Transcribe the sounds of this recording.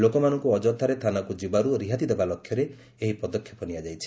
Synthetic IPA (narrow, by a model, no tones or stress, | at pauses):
lokɔmanɔŋkuɔd͡ʒɔt̪ʰːaɾet̪ʰanakud͡ʒibaɾuɾiɦat̪id̪ebalɔkʰjɔɾeː | ɦipɔd̪ɔkʰːjɔpɔniad͡ʒajt͡ʃʰi̥